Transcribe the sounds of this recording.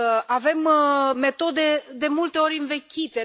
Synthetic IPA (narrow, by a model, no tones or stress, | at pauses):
ave̞mme̞t̪o̞d̪e̞d̪e̞mult̪e̞o̞ɾʲɨnve̞kʲit̪e̞